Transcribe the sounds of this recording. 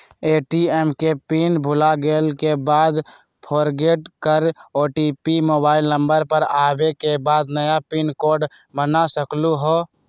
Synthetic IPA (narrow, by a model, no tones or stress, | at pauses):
eːʈiɛːmkepiːnbʱʊlaɡeːlkebaːd̪ | pʰoːɾɡeːʈkəɾoːʈiːpimoːbaːɪlnə̃mbəɾpəɾaːbekebaːd̪nəjapiːnkoːɾɖ | bənasəkluɦoː